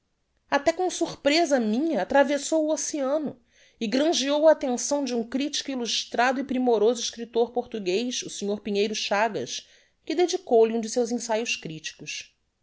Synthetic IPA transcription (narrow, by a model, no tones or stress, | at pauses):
at̪ɛkõsuχpɾezɐmĩɲɐat̪ɾavesowuosiɐ̃nʊ | ɪɡɾɐ̃ʒiowɐːt̪ẽsɐ̃w̃d͡ʒɪũkɾit͡ʃi̥kuiluʃt̪ɾad̪ʊipɾimoɾozʊɪʃkɾit̪oɾpoɾt̪uɡejʃuseɲoɾpiɲejɾʊʃaɡɐ̰ʃ | kɪd̪ed͡ʒikowliũd͡ʒɪsewzẽsajʊskɾit͡ʃi̥kʊs